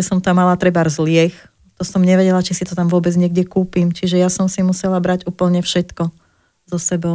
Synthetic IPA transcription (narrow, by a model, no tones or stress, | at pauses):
ɛsɔmt̪amːalat̪ɾɛbaɾzlɪɛx | t̪ɔsɔmɲɛʋɛɟɛlat͡ʃisit̪ɔt̪amʋʊɔbɛd͡zɲɪɛɡ̚ɟɛkuːpimt͡ʃiʒɛjasɔmsimusɛlabɾaɟuːpl̩ɲɛfʃɛt̪kɔ | zɔsɛbɔ